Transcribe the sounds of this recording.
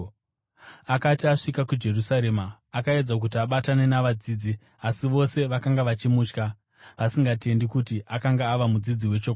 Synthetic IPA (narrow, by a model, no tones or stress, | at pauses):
akatiaʂikakud͡ʒe̞rusaɾe̞ːmaː | kae̞d͡zak̬ut̬iaɓatane̞naʋad͡ziːd͡zi | asiʋo̞se̞ʋakaŋɡaʋat͡ʃimuːt͡ʃka | ʋasiŋɡate̞ndikutiʔakaŋɡaːʋamud͡zid͡ziwe̞t͡ʃoka